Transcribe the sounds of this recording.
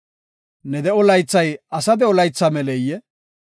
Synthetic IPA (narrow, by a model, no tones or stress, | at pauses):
nɛd̪ɛɔlɐjt͡sːɐjɐsɐd̪ɛɔlɐjt͡sːɐmɛlɛjːɛ